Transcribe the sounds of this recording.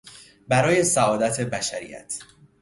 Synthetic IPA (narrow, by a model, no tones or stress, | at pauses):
bæɾɒːje̞sæɒːd̪æt̪ʰe̞bæʃæɾḭjæ̰t̪ʰ